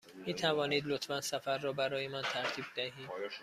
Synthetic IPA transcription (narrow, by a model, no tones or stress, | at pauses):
miːt̪ʰævɒːniːd̪lot̪ʰfænsæfæɾːɒːbæɾɒːjemænt̪ʰæɾt̪ʰiːb̚d̪æɦiːd̪